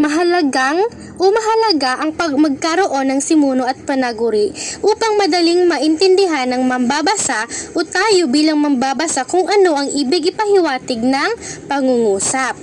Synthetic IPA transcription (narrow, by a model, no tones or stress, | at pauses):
mɐɦɐlɐɡaŋ | ʔomɐɦɐlɐɡaʔɐŋpɐmɐɡ̚kɐɾo̞ʔo̞nːɐŋsɪmoːnoʔɐt̪̚pɐnɐɡʊɾiʔʔuːpɐŋmɐd̪ɐliŋmɐʔɪnt̪ɛnd̪ɪɦanɐŋmɐmbabɐsaʔʔot̪aːjo̞biːlɐŋmɐmbaːbɐsakʊŋʔɐno̞ʔɐŋʔiːbɪɡɪpɐhɪwaːt̪ɪɡ̚nɐŋpɐŋuŋuːsɐp̚